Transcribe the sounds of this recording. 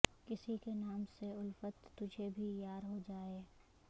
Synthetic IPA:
kɪsikenaːmseʊlfət̪ːʊd͡ʒʱebʱijaːɾɦod͡ʒaːeː

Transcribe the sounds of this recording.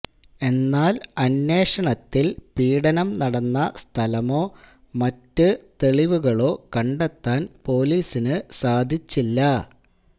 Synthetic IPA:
e̞nːaːlɐnːe̞ːʂɐɳɐt̪ːilpiːɽɐnɐmnɐɽɐnːɐst̪ʰɐlɐmo̞ː | mɐtːɨt̪e̞ɭiʋuɣɐɭo̞ːkɐɳɖet̪ːaːnpo̞ːliːsinɨsaːd̪ʱit͡ɕːilːɐ

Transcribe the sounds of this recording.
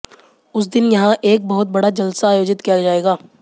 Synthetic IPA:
ʊs̬d̪ɪnjɐɦãʔeːk̚bɐɦʊt̪̚bɐɽad͡ʒɐlsaaːjoːd͡ʒɪt̪kijad͡ʒaːeːɡaː

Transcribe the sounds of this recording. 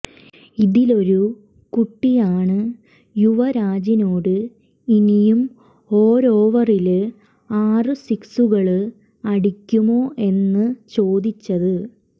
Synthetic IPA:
iðilo̞ɾu | kuʈːijaːɳɨ | juʋɐɾaːd͡ʑinoːɽɨ | inijum | oːɾoːʋɐril | aːrɨsiksuɣɐɭɨ | ɐɽikʲːumo̞ːʔe̞nːɨt͡ɕo̞ːd̪it͡ɕːɐðɨ

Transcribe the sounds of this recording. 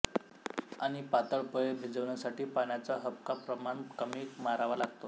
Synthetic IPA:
aɽ̃ipat̪əɭpəjebʱid͡zəʋɳjasaʈiːpaɳjat͡saɦəp̚kapɾəmaɳkəmiːmaɾaʋalaɡt̪o

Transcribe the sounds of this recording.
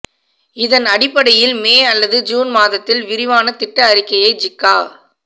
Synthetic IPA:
ɪðɐnɐɽɪpːɐɽɐjɪlmeːɐlːɐðɯd͡ʒuːnmaːðɐt̪ːɪlʋɪɾɪʋaːnɐt̪ɪʈːɐːɾɪkːɐjɐɪd͡ʒɪkːaː

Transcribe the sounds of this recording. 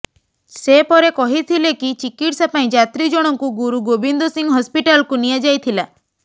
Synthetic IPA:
sepɔɾekɔɦit̪ʰilekit͡ʃikiʈsapaĩd͡ʒat̪ɾid͡ʒɔɽ̃ɔŋkuɡuɾuɡobind̪osiŋɡɦɔspiʈalkunijad͡ʒajt̪ʰila

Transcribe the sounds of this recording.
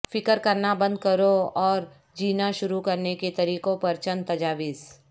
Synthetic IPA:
fɪkəɾkɐɾnabɐ̃nd̪̚kɐɾoɔːɾ | d͡ʒiːnaʃʊɾukɐɾneket̪ɐɾiːqõpɐɾt͡ʃənt̪ɐd͡ʒaːʋiːs

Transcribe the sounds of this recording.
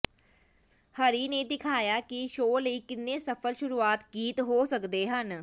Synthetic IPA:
hɐɾined̪ɪkʰaːjakiʃoːleikɪnːesɐfəlʃʊɾuaːt̪ɡiːt̪ɦosɐkd̪eɦɐn

